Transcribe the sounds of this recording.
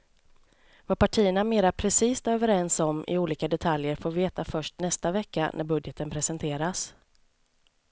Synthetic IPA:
vaɾpaʈʰiːəɳameːɾapʰɾɛsiːst̪øːvəɾɛnsɔmʔɪ̰uːliːkad̪ɛt̪ʰaljəɾfoːɾveːt̪afœʂʈnɛst̪avɛkːa̰nʔæ̰ɾbɵd̪jɛt̪ənpʰɾɛsɛnt̪ʰeːɾas

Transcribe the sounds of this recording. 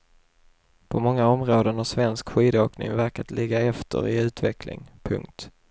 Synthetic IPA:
pʰɔmɔŋːaɔmɾoːd̪ənhaʂvɛnskɧiːd̪əoːknɪ̰ŋvæɾkat̪lɪɡːaɛft̪ʰə̰ɾɪʉ̟ːt̪vɛkʰlɪ̰ŋpʰɵ̰ŋkt̪

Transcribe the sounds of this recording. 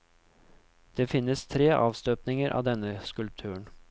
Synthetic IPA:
d̪̥eːfɪnːəst̪ʰɾeːʔɑːʋst̪øːpnɪŋəɾʔɑ̰ːd̪ɛnəskʉlp̚t̪ʰʉːəɳ

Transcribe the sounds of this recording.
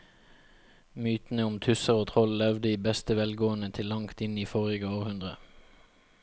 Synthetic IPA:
myːt̪n̩əʊmt̪ʰʉsəʁoːt̪ʰʁɔllɛʋd̪əiːbɛst̪əʋɛlɡoːənət̪ʰɪlːɑŋt̪ɪniːfoːʁɪɡəoːʁhʉnd̪ʁə̰

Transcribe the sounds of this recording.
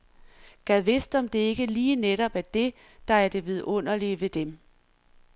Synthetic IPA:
ɡ̥æðˠʋe̝sd̥ɒ̽md̥e̝e̝ɡ̥əliːneɾ̥ɒ̽b̥æɐd̥e̝ | d̥ɑ̈æɐd̥e̝ʋeð̞ˠɔ̽n̰ɐliʋe̝d̥em

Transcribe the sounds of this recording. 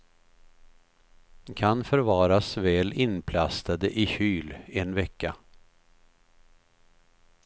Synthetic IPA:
kʰanfœɾvɑːɾasvɛːlɪnpʰlast̪ad̪əʔɪçyːlɛnvɛkːa

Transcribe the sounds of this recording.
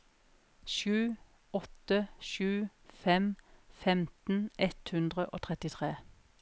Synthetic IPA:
ʃʉː | ɔt̪əʃʉːfɛmfɛmt̪n̩ʔɛt̪hʉnd̪ʁəʔo̰ːt̪ʰʁɛt̪ɪt̪ʰʁeː

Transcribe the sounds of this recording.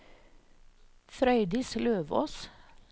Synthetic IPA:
fɾœʏd̪ɪsløːʋo̰ːs

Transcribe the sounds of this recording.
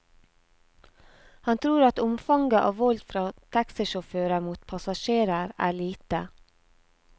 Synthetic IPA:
hɑnt̪ʰɾuːɾɑt̪ʊmfɑŋɡəʔoːʋɔld̪fɾɑːt̪ʰæksəʃʊføːɾəmuːt̪pʰɑsɑʃeːɾəɾæ̰ːɭiːt̪ə

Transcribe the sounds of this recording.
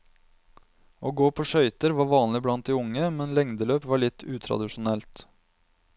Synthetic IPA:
ʔoːɡoːpʰoʂœʏt̪əɾʋɑːɾʋɑːnlɪblɑnt̪̚d̪ɪʊŋːəmɛnlɛŋd̪əløːpʋɑːɭɪt̪ʰːʉːt̪ʰɾɑ̰d̪ɪʂʊnɛlt̪

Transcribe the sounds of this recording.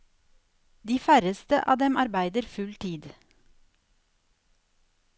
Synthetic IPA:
d̪iːfæɾəst̪ə̰ʔɑ̰ːd̪ɛmɑɾbæɪd̪əɾfʉlt̪ʰiːd̪

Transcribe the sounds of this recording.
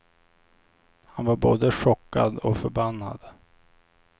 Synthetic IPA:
hanvaɾboːd̪əʂɔkːa̰d̪ɔfœɾbanːa̰d̪

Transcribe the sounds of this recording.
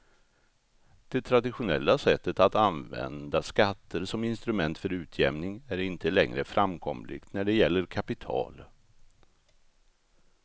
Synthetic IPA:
d̪̥ɛt̪ʰɾad̪ɪɧʊnɛ̰lːasɛt̪ːət̪at̪anvɛ̰nd̪askat̪ːəɾsɔmɪnst̪ɾɵmɛnt̪fœɾʉ̟ːt̪ʰjɛmnɪŋæɾɪnt̪ʰəlɛ̰ŋɾəfɾʔamkʰɔ̰mlɪ̰ɡ̥t̪næɖɛjɛlːəɾkʰapɪt̪ʰɑ̰ːl

